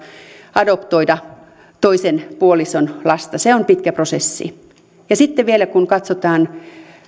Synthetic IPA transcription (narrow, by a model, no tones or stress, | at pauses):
ɑdopt̪oidɑ | t̪oisenpuolisonlɑst̪ɑseompit̪̚kæprosesːḭ | jɑsit̪ːeʋielækunkɑt̪sot̪ɑːn